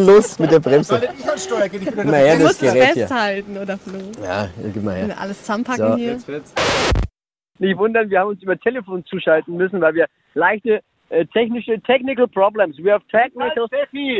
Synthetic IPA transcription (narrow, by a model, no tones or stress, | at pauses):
loːsmɪtd̥eːɐbʁɛmzəaʃɔɐɡeɪɪmɐheːɐdasɡ̥əʁɛːɛsiːɐthaltn̩oːdɐfloːja̰ːɡɪmɐheːɐniɐʔa̰ləst͡sampʰaoiːɛsvɪ | nɪçtvʊndɐnviːɐhaːbm̩ʊnsʔyːbɐtʰeləfoːnt͡suːʃaltn̩mʏsn̩vaɪlviːɐ | laɪçtə | ʔɛːtʰɛçnɪʃətʰɛçnɪkl̩pʁ̥ɔblɛmsviːhavtʰɛknɪeɐfiː